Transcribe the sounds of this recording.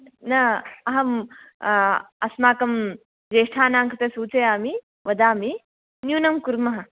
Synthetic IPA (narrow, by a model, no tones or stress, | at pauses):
nɐɐɦɐm | ɐsmaːkɐm | d͡ʒeːʂʈʰaːnaːŋkʰɐt̪ɐsuːt͡sɐjaːmi | ʋɐd̪aːmi | njuːnɐmkuɾmɐɦɐ